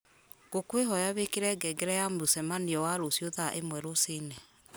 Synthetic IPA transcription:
ɡ̥okweɦɔjaβekeɾɛɡɛɡɛɾɛjamosɛmaniɔwaɾosjoðaʔemwɛɾosenɛ

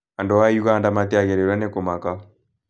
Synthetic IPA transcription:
andɔwajuɣaːndamatɛaɣɛɾɛɾwanekomaka

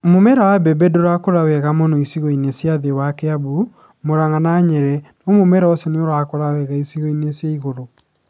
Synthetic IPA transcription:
momɛɾawabɛbɛdoɾakoɾawɛɣamɔnɔisiɣoinesjaðewakɛaβu | moɾaŋanaɲɛɾɛnomomɛɾaɔsɛneoɾakoɾawɛɣaisiɣoinesjaiɣoɾo

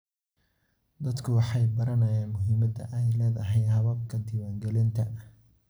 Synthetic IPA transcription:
d̪ɐd̪kʰʊwɑħɑjbɐɾɐnɐjaːnmʊɦiːmɐd̪ɐ̰ʔɛjlɛːðɐɦɛjhɐβɐb̚kʰɐd̪ɪwaːŋɡɛlɪnt̪ʰɐ

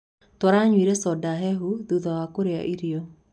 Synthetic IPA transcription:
tɔɾaɲwiɾesɔdaɦɛɦuðuðɔwakoɾea̰ʔiɾio

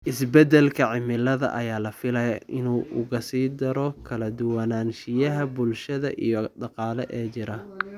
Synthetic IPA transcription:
ʔɪsbɛd̪ɛlkʰɐʕɪmɪlɐðɐ̰ʔɐjaːlɐfɪlɐjɐʔɪnuːʔʊɣɐsiːd̪ɐɾɔkkʰɐlɐd̪ʊwɐnaːnʃɪjɐɦɐbʊlʃɐðɐʔijɔɖɑqɑːlɛʔɛːt͡ʃɪɾɐ

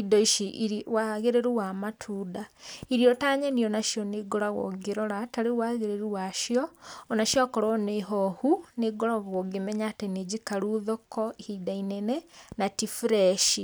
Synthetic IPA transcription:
idɔiʃiwaɣeɾeɾuwamatʰudaiɾiɔtaːɲɛniɔnaʃjɔneɡɔɾaɣɔ̰ɡeɾɔɾataɾewaɣeɾeɾuwaʃjɔːnaʃjɔkɔɾɔneɦɔhuneɡɔɾaɣoɡemɛɲatened͡ʑikaɾuðɔkɔhidainɛnɛnatifɾɛʃi

